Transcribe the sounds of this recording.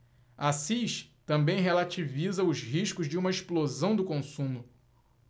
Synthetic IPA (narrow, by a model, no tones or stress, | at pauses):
asiʃt̪ɐ̃mbẽj̃ɦelat͡ʃivizɐʊzɦiʃkʊzd͡ʒɪũmɐeʃplozɐ̃w̃d̪ʊkõsũmʊ